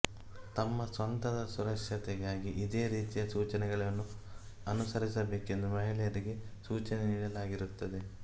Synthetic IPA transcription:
t̪ɐmːɐsʋɐnt̪ɐd̪ɐsuɾɐkʂjɐt̪ɛɡaːɡiʔid̪e̞ːɾiːt̪ijɐsuːt͡ʃɐnɛɡɐɭɐnːu | ɐnusɐɾisɐbeːke̞nd̪umɐɦilɛjɐɾiɡe̞suːt͡ʃɐneniːɽɐlaːɡiɾut̪ːɐd̪e̞

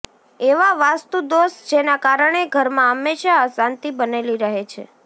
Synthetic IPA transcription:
eʋaʋast̪ud̪osd͡ʒenakaɾəɳ̃eɡʱəɾmãəmːeʃaəsãnt̪ibəneliɾəɦet͡ʃʰḛ

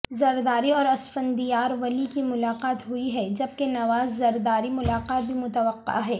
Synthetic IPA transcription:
zɐɾd̪aːɾiɔːɾɐsfə̃nd̪ijaːɾʋɐlikimʊlaːqaːt̪ɦʊiɦɛd͡ʒɐb̚kenɐʋaːzːɐɾd̪aːɾimʊlaːqaːt̪̚bʱimʊt̪əʋəqːa̰ɦɛː

